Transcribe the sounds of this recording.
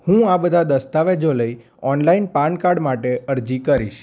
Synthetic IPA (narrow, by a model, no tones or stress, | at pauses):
hũabəd̪ʱad̪əst̪aʋed͡ʒoləi | ɔnlainpãɳɖkaɽmaʈeəɾd͡ʒikəɾiʃ